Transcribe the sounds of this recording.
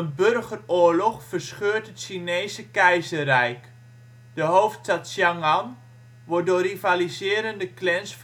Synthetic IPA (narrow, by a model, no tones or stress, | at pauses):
ənbørɣəroːɹlɔχfərsχøːɹtətʃinejsəkɛjzərɛjk | d̥əɦowftstatʃjaŋɑn | ʋɔɹdoːrivalizɪːɾəndəklɛnsf